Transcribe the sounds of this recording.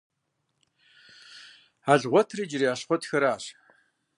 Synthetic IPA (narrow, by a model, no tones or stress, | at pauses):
aɮʁʷɔtʰriːd͡ʒɪriaːɕχʷɔtxɐɾaːɕ